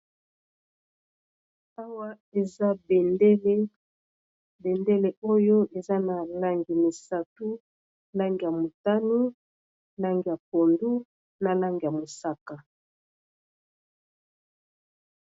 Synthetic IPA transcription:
a˦wa˦ | e˨za˦be˨nde˦le˦ | be˨nde˦le˨o˦jo˦ʔe˨za˦na˨la˦ŋɡi˨mi˨sa˨tu˦ | la˦ŋɡi˨ja˨mo˨ta˦ni˦ | la˦ŋɡi˨ja˨po˨ndu˦ | na˨la˦ŋɡi˨ja˨mo˨sa˦ka˨

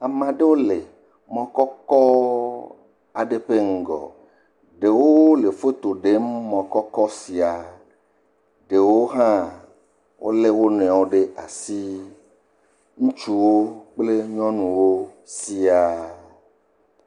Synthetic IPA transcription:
a˨mã˨ɖe˦wo˦le˨ | mɔ̃˦kɔ˦kɔ˦ | a˨ɖe˨ɸe˦ŋ̩˨ɡɔ̰˨ | ɖe˨wo˦le˨fe˦t̪o˨ɖe˦mː˦ɔ̃˨kɔ˦kɔ˦si˨a˨ | ɖe˨wo˦ɦã˦ | wʔo̰˦le˦wo˦nɛ̃˨wo˦ɖe˦a˨si˦ | ŋũ˦t͡ʃu˦wo˦k͡ple˦ɲɔ̃˦nũ˨wo˦ | si˦a˨

